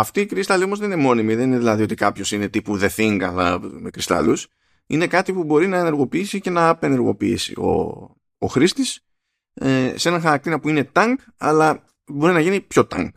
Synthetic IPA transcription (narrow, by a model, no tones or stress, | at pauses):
ɐft̪iːkɾist̪ɐlio̞mo̞zðenine̞mo̞nimiðe̞nineðilɐðio̞t̪ikɐpço̞sine̞t̪ipuðe̞θiŋɡɐ̰lɐme̞kɾist̪ɐ̰lus | ine̞kɐt̪ipubo̞ɾinɐene̞ɾɣo̞piisice̞nɐːpe̞ne̞ɾɣo̞̰piisḭo̞̰ | o̰xɾist̪is | ese̞nɐnxɐɾɐk̚t̪iɾɐpuine̞t̪ɐŋɡ | ɐ̰lɐ | bo̞ɾinɐʝinipço̞t̪ɐ̰ŋɡ